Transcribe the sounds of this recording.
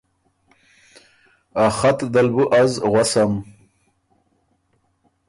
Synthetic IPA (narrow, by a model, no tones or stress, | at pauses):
axat̪d̪albuʔazɣwasam